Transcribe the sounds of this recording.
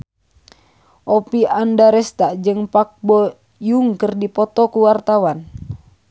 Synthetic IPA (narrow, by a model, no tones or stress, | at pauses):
ʔɔpiʔandaɾɛst̪ad͡ʒɨŋpak̚bɔ | juŋkɨrdipɔt̪ɔkuwart̪awan